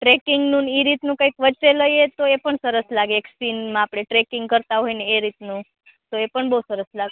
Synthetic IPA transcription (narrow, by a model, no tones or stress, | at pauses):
ʈɾekɪŋɡnũniɾit̪nũkãjkʋəːt͡ʃeləjet̪oepəɳsəɾəslaɡeeːksinmãːpɽ̃eʈɾekɪ̃ŋɡkəɾt̪aɦojneeɾit̪nũ | t̪oepəɳbəɦusəɾəslaɡe